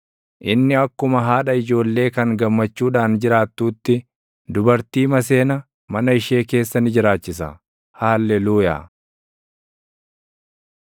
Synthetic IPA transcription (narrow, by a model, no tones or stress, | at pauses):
ʔɪnːɪɐkːʊmɐɦaːᶑɐɪd͡ʒo̞ːlːe̞ːkɐŋɡɐmːɐt͡ʃːuːᶑaːnd͡ʒɪɾaːt̪ːuːt̪ːɪ | d̪ʊbɐɾt̪iːmɐs̬e̞ːnɐ | mɐnɐɪʃe̞ːke̞ːsːɐnɪd͡ʒɪɾaːt͡ʃːɪsɐ | haːlːɛluːja̰ː